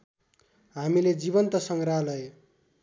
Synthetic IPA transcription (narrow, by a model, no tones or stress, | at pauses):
ɦamiled͡ziβʌnt̪ʌsʌŋralʌe